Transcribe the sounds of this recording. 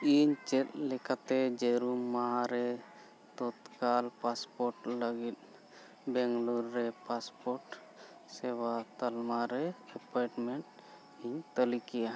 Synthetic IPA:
iɲt͡ʃɛt̪̚lɛkat̪ɛd͡ʒeɾumːaɦaɾɛ | t̪ɔt̪kalpaspɔɾʈləɡit̪̚ | bɛŋɡluɾːɛpaspɔɾʈ | sewat̪əlmaɾɛːpɔjʈmeɳʈ | iɲt̪əlikija

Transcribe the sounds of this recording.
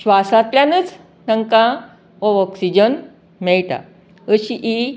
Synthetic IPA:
ɕʋasat̪ljanət͡s | nəŋkã | ɔɔksid͡ʑən | mɛɭʈ̪a̰ | əɕiʔi

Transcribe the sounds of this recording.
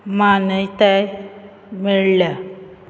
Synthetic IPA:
manəjt̪aj | miɭlja

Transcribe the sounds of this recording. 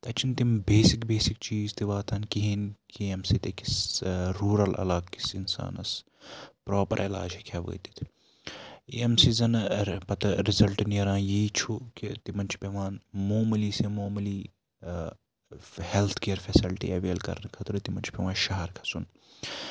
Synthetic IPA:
t̪ɐt͡ʃʰint̪imbeːsikbeːsik̚t͡ʃiːzt̪iʋaːt̪ʰɐnkiɦinkiemsit̪ekisɾuːɾɐlɐ̰laːkːi̥sinsa̰ːnɐs | pɾoːpɐ̰ɾʔela̰ːd͡ʒɐkʰaːʋə̰ːt̪i̥t̪ʰ | eːemsizɐnpɐt̪ɾizɐlʈnijɐɾãːjiːt͡ʃʰukit̪imɐnt͡ʃʰi̥pʲeʋãːnmoːmɐliːsemoːmɨliː | helt̪ʰkeːɐɾfɛsilʈḭɐʋeːlkɐ̰ɾnkʰɐt̪ɾut̪imɐnt͡ʃʰpʲeʋãːʃɐɦɐɾkʰɐ̥sun

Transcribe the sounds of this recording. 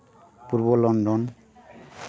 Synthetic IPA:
puɾbɔlɔndɔn

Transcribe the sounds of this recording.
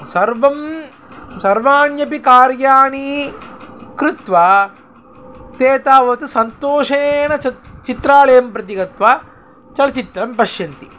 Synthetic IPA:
sɐɾʋɐm | sɐɾʋaːnjɐpikaːɾjaːɳi | kɾɪt̪ʋaː | t̪eːt̪aːʋɐt̪usɐnt̪oːʂeːnɐɐt͡ʃit̪ɾaːlɐjɐmpɾɐt̪̬iɡɐt̪ʋaː | t͡ʃɐlɐt͡ʃit̪ɾɐmpɐʃjɐnt̪i

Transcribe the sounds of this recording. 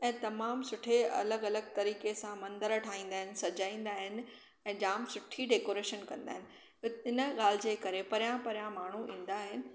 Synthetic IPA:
ɛ̃ːt̪ɐmaːmsʊʈʰeɐ̰ləɡɐləɡ̚t̪ɐɾiːkesãmɐ̃nd̪əɾʈʰaːɦĩːn̆d̪aːɦɪnɪ̆sɐd͡ʑaːĩːnd̪aːɦɪnɪ̆ | ɛ̃ːd͡ʑaːmsʊʈʰiɖeːkoːɾeːʃənkɐ̃nd̪aːɦɪ̃nɪ̆ | ɪnəɠaːl̤ɪd͡ʑeːkɐɾepɐɾjãpɐɾjãmaːɳ̤uʔĩːn̆d̪aːɦɪnɪ̆

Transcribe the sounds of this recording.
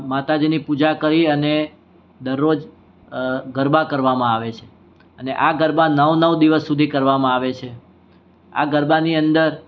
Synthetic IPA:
mat̪ad͡ʒinipud͡ʒakəɾiəne | d̪əɾːod͡ʒ | ɡəɾbakəɾʋamãaʋet͡ʃʰe | əneʔaɡəɾbanəʋnəʋd̪iʋəsːud̪ʱikəɾʋamãaʋet͡ʃʰe | a̰ɡəɾbaniənd̪əɾ

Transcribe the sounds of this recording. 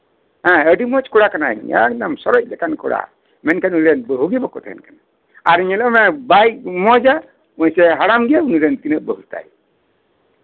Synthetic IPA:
ɦãəɖimɔt͡ʃkɔɽakanaiɲa̰knamsɔɾɔt͡ʃ̚dɛkankɔ̰ɽa̰ | mɛnkanuɾɛnbəɦuɡibɔkɔt̪ʰɛ̰ɛ̰nkana | aɾiɲalɔmɛbajk̚mɔd͡ʒa | mɔjsɛɦaɽamɡiauniɾɛnkinəbəɦut̪a̰j

